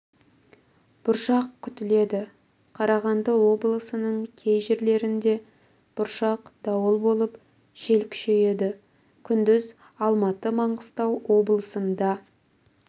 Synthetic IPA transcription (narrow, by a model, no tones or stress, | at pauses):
b̥ʊɾʃɑqkʲʰʏt̪ɪle̞d̪ɪ | qʰɑɾɑʁɑnd̪əwo̞blˠəsənəɴkʲʰe̞jʒɪɾle̞ɾɪnd̪e̞ | b̥ʊɾʃɑqd̪̥ɑwəlˠbo̞lˠəp | ʒ̥e̞lkʲʰʏ̥ʃe̞je̞d̪ɪ | kʲʰʏnd̪ɪz | ɑlˠmɑt̪əmɑɴʁəst̪ɑwwo̞blˠəsənd̪ɑ